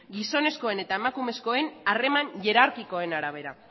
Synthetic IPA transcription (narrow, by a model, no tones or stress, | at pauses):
ɡiso̞ne̞sko̞e̞ne̞t̪ae̞makume̞sko̞e̞nare̞maɲʝe̞ɾaɾkiko̞e̞naɾaβ̞e̞ɾa̰